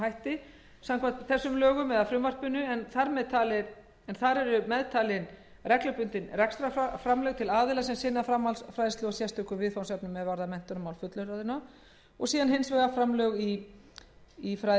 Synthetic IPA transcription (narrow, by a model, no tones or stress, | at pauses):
hajht̪ɪ | samkvant̪θɛsːʏmlœːɣʏmvɛðaðfɾʏmvar̥pʏnːʏɛnθaɾmɛðt̪ʰaːlɪ | ɛnθaɾɛɾʏmɛðt̪ʰaːlɪn | rɛklʏpʏnt̪ɪnrɛkst̪ɾafɾamlœɣt̪ʰɪlaːðɪlasɛmsɪnːafɾamːalsfɾajðɪst̪œɣasjɛst̪ʏːkʏvɪðfawnsɛpnʏmːɛðvaɾðamɛn̥t̪ʏnmawlfʏt̪lʏɾaðɪna | ɔɣsiːðanɦejnsvɛɣafɾamlœɣi | fɾa